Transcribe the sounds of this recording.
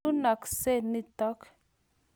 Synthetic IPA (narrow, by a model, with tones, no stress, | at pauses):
u˦na˨kse˦ni˦tɔ˦k